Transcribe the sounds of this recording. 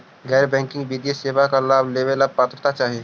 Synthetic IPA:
ɣɛːɾbɛ̃ːŋkɪ̃ŋɡbiːd̪jeseːbakalaːbleːʋelaːb̚paːt̪əɾt̪at͡ʃaːɦieː

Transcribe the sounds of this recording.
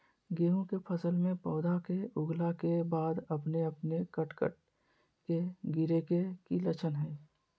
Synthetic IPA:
ɡeːũkepʰəsəlmẽpɔːd̪akeʊɡlakebaːd̪ɐpneəpnekəʈkə̰ʈ̚ | keɡɪɾekekilət͡ʃʰənɦɛː

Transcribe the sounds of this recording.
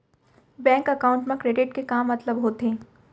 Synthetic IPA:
bɛ̃ːŋkɐkaːʊ̃ɳʈmẽkɾeːɖɪʈkekaːmːɐt̪ləbɦoːt̪ẽː

